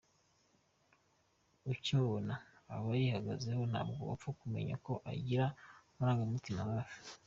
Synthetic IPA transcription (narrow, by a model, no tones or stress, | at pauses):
ucoβona̰ːoβajihaɡaze̞ɦo̞na̰ːb̚ɡoβa̰p͡fukume̞̰ɲa̰ko̞ʔa̰ɟiɾamuɾaːŋɡamutimawaːʒu̥